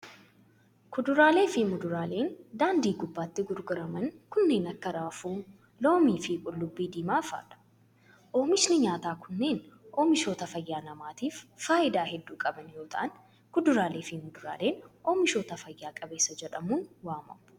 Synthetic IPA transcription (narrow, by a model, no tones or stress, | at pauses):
kʊd̪ʊɾaːle̞ːfɪmʊd̪ʊɾaːle̞ːnd̪aːnd̪iːɡʊbːaːt̪ːɪɡʊɾɡʊɾɐmɐnkʊnːe̞ːnɐkːɐɾaːfuː | lo̞ːmiːfɪkʼʊlːʊbːiːd̪iːmaːfa̰ːᶑɐ̥ | ʔo̞ːmɪʃnɪɲaːt̪aːkʊnːe̞ːnʔoːmɪʃo̞ːt̪ɐfɐjːaːnɐmaːt̪iːfːaːʔɪd̪aːɦɛd̪ːuːkʼɐbɐnjo̞ːt̪ʰɐ̰ʔɐn | kʊd̪ʊɾaːle̞ːfimʊd̪ʊɾa̰ːle̞ːnʔoːmɪʃo̞ːt̪ɐfɐjːaːkʼɐbe̞ːsːɐd͡ʒɛᶑɐmuːnwaːmɐ̰m